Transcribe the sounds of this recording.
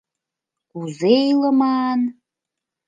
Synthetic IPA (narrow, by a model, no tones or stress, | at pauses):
uzejlə̆mɑn